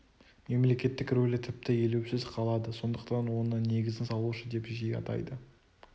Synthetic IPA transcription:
me̞mle̞kʲe̞t̪ːɪkɾolʲɪt̪ʰɪp̚t̪ɪjelewsɪzqʰɑlˠɑd̪əso̞nd̪əqt̪ɑnwo̞nəne̞ɡʲɪzɪnsɑlˠuʃəd̪e̞pʒejɑ̰t̪ɑ̰jd̪ə

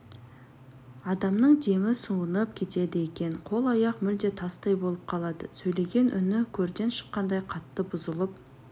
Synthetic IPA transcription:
ɑd̪ɑmnəɴd̪e̞mɪsuənəp̚kʲʰe̞t̪e̞d̪ɪekʲe̞nqʰo̞lˠɑjɑqmʏld̪e̞t̪ʰɑst̪ɑjbo̞lˠəp̚qʰɑlˠɑd̪əsɵjle̞ɡʲe̞nʔʏnɪkʲʰɵɾd̪e̞nʃə̥qːɑnd̪ɑjqʰɑt̪ːəbʊzəlˠəp̚

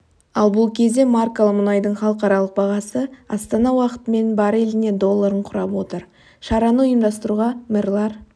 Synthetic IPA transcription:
ɑlˠbʊlˠkʲʰe̞zd̪e̞markolˠəmʊnɑjd̪əɴχɑlˠəqɑɾɑlˠəq̚bɑʁɑsəɑst̪ɑnɑwɑqə̥t̪əme̞nbɑɾe̞lɪne̞d̪o̞lˠːaɾəɴqʰʊɾɑpwo̞t̪əɾ | ʃɑɾɑnəʊjəmd̪ɑst̪əɾuʁɑmɪrlˠɑɾ

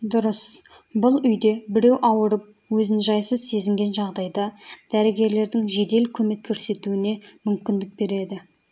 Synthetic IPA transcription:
d̪ʊɾəs | bʊlˠʏjd̪e̞bɪɾe̞wʔɑwəɾəp̚ | wɵzɪnʒɑjsəzse̞zɪŋɡʲe̞nʒɑʁd̪ɑjd̪ɑd̪̥æɾɪɡʲe̞ɾle̞ɾd̪ɪŋʒe̞d̪e̞lkʲʰɵme̞kʲʰːɵɾse̞t̪uɪne̞mʏmkʲɪnd̪ɪk̚be̞ɾe̞d̪ɪ

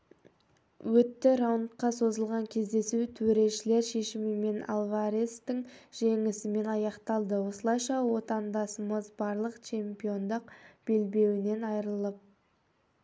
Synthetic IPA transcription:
wɵt̪ːɪɾawnt̪qɑso̞zəlˠʁɑŋkʲʰe̞zd̪e̞sut̪ʰwɵɾe̞ʃɪle̞ɾʃe̞ʃɪmɪme̞na̰lˠvaɾest̪ɪŋʒ̥e̞ŋɪsɪme̞nɑjɑqt̪ɑlˠd̪əwosəlˠɑjʃɑwo̞t̪ɑnd̪ɑsəməzbɑɾlˠəqt͡ʃʰe̞mpio̞nd̪əqb̥e̞lbe̞wɪne̞nɑjɾəlˠəp̚

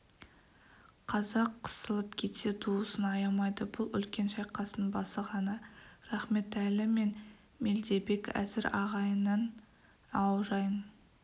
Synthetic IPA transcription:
qʰɑzɑqʰːə̥səlˠəp̚kʲʰe̞t̪se̞t̪ʰuwəsənɑjɑmɑjd̪əbʊlˠʏ̰lkʲe̞nʃɑjqɑsənbɑsəʁɑnəɾɑχme̞t̪ælɪme̞n | meld̪e̞be̞kæ̰zɪɾɑʁɑjənɑn | ɑwʒɑjən

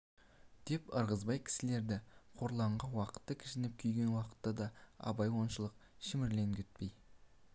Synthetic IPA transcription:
d̪̥e̞pəɾʁəzbɑjkʲʰɪ̥sɪle̞ɾd̪ɪqʰoɾlˠɑɴʁɑnwɑqə̥t̪ːəkʲʰɪ̥ʃɪnɪp̚kʲʰʏjɡʲe̞nwɑqə̥t̪ːɑd̪ɑɑ̰bɑjwo̞nʃəlˠəq̚ | ʃɪmɪɾle̞ŋkʲʰʏt̪̚pej

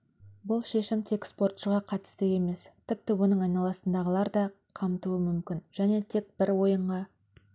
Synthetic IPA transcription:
bʊlˠʃe̞ʃɪmt̪ʰe̞kspo̞rt̪ʃəʁɑqʰɑt̪ɪ̥st̪ɪe̞me̞st̪ʰɪp̚t̪ɪwo̞nəɴɑjnɑlˠɑsənd̪ɑʁəlˠɑɾd̪ɑqʰɑmt̪uəmʏmkʲɪnʒ̥æne̞t̪ʰe̞k̚bɪɾwo̞jəɴʁɑ

